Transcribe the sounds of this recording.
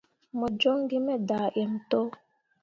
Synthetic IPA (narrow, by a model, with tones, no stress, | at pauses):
mɔ˨d͡ʒo˦ŋɡi˦mɛ˦daː˨ʔɛ˨m˨to˦